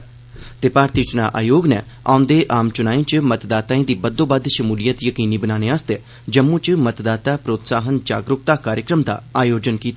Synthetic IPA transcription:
t̪eːpaːɾt̪iːt͡ʃna̰ːʔa̰ːjoːɡnɛ̰ː | ãːnd̪eːʔaːmt͡ʃʊnaːĩːt͡ʃmət̪d̪aːt̪aːĩːd̪iːbəd̪õːbəd̪ʃəmuːlɪjət̪jəkiːniːbənaːneːaːst̪eː | d͡ʒəmːũːt͡ʃmət̪d̪aːt̪aːpɾoːt̪saːɦənd͡ʒaːɡɾʊkt̪aːkaːɾjəkɾəmd̪a̰ːaːjoːd͡ʒənkiːt̪a

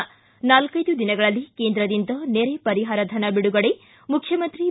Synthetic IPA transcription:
naːlkɐjd̪ud̪inɐɡɐɭɐlːikeːnd̪ɾɐd̪ind̪ɐneːɾepɐɾiɦaːɾɐd̪ʱɐnɐbiɽuɡɐɽe | mukʰːjɐmɐnt̪ɾi

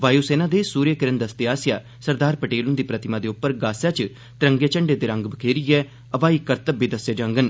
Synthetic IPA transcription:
ʋaːjuːsɛːnãːd̪eːsuːɾjəkəɾənd̪əst̪ɪɦaːsɪjaː | səɾd̪aːɾpəʈeːlʊ̃nd̪iːpɾət̪ɪmãːd̪eːʊpːəɾɡaːsjaːt͡ʃ | t̪ɪɾə̃ŋɡeːt͡ʃəɳɖeːd̪eːɾə̃ŋɡbəkʰeːɾiɛː | əʋaːiːkəɾt̪əbːiːd̪əsjeːd͡ʒə̃ŋɡən

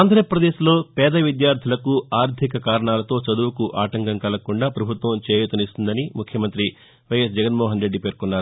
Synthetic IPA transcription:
aːnd̪ɐɾɐjɐpɾɐd̪e̞ːslo̞ːpɛːd̪ɐʋid̪jaːɾd̪ʰʱilɐkuaːɾd̪ʱikɐkaːɾɐɳaːlɐt̪o̞ːt͡ʃɐd̪uʋɐkuʔaːʈɐŋkɐŋkɐlɐkuɳɖaːpɾɐbʱut̪ʋɐmt͡ʃeːjut̪unist̪und̪ɐnimukʰjɐmɐnt̪ɾi | ʋɐjes̬d͡ʒɛɐɡɐnmɔːɦɐnɾe̞ɖːipeːɾkunːaːɾu

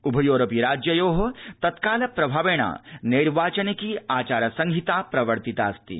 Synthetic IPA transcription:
ubʱɐjoːɾɐpiɾaːd͡ʒjɐjoːɦɐt̪ɐt̪kaːlɐpɾɐbʱaːʋeːɽ̃a̰ːniɾʋaːt͡ʃɐnekiaːt͡ʃaːɾɐsɐ̃ŋɡʱit̪apɾɐʋɐɾt̪it̪a̰ːst̪ḭ

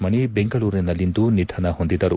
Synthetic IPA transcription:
mɐɳibeŋɡɐɭuːɾinɐlːind̪unid̪ʱɐnɐhond̪id̪ɐɾu

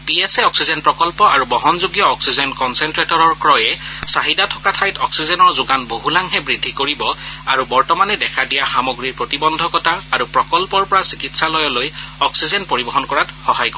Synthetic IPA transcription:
piɛsɛɔksizɛnpɹɔkɔlpɔʔaɹubɔɦɔnzuɡjɔːksizɔnkɔnsɛntɹetɔɹɔɹkɹɔjɛsaɦidatʰɔ̥katʰajtɔksizɛnɔɹzʊɡanboɦulaŋɦɛbɹidʱːikoɹibɔaɹubɔɹtɔmanɛdɛkʰadijaxamoɡɹiɹpɹotibɔndʱɔkɔtaaɹupɹɔkɔlpɔɹpɔɹasikitsalɔjɔlojɔksizɛnpoɹibɔɦɔnkɔɹatxɔɦajkɔ

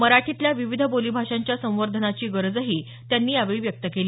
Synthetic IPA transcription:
məɾaʈʰit̪ljaʋiʋid̪ʱəbolibʱaʂaɲt͡ɕjasə̃w̃ʋəɾd̪ʱənat͡ɕiːɡəɾəd͡zəɦiː | t̪janːiːjaʋeɭiʋjək̚t̪əkeliː

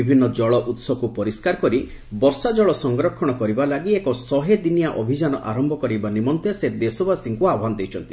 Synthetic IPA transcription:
ibʱinːɔd͡ʒɔɭɔʔut̪sɔbkupɔɾiskaɾɔkɔɾi | bɔɾsad͡ʒɔɭɔsɔŋɡɾɔkʰːɔɽ̃ɔkɔɾibalaɡiekɔsɔɦed̪inijaʔɔbʱid͡ʒanɔʔaɾɔmbʱɔkɔɾibanimɔnt̪esed̪esɔbʱasiŋkuabɔɦanɔd̪ewt͡ʃʰɔnt̪i̥

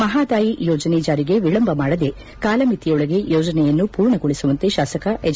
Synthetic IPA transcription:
mɐɦaːd̪aːjijoːd͡ʒɐneːd͡ʒaːɾiɡe̞ʋiɭɐmbʱɐmaːɽɐd̪e̞ | kaːlɐmit̪ijɔɭɐɡe̞joːd͡ʒɐnɛjɐnːupuːɾɳɐɡoɭisuʋɐnt̪eʃaːsɐkɐʔed͡ʒ

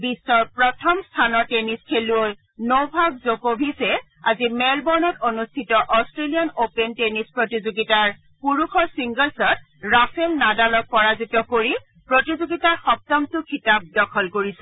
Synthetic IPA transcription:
bisːɔɹpɹɔtʰɔmstʰanɔɹteniskʰeluoj | nobʱaɡzokobʱisɛ | a̰zimɛlbɔɹnɔtonustʰitɔʔɔstɹeliɔnopentenispɹotizoɡitaɹ | puɹuxɔɹsiŋɡɔlsɔt̚ | ɹapʰɛmnadalɔk̚pɔɹazitɔkoɹi | pɹotizoɡitaɹxɔk̚tɔmtʊkʰitab̚dɔkʰɔlkoɹisɛ

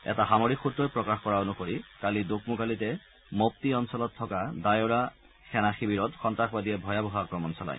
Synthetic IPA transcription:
ɛ̰taɦamoɹikxutːɔjpɹɔkaxkɔɹaonukoɹikalidok̚mukalitɛ | mop̚tiɔnsɔlɔtʰːɔkadajɔɹa | xʰɛnaxibiɹɔtxɔntaxbadiɛbʱɔjabɔɦaakɹɔmɔnsɔla̰j

